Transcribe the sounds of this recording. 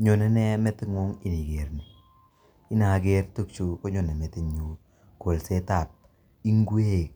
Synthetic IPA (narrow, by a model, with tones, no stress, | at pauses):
ɲo˨nɛ˦nɛ˦mɛ˦tɪ˦ŋo˦ŋi˨ni˨ɡe˨ɾni˨ | i˦na˨ɡe˦rtu˦˨kt͡ʃu˨ko˦ɲo˨ne˨mɛ˨te˨ɲu˨ | ko˨lse˦ta˦˨p̚ | i˦ŋɡwe˦˨k̚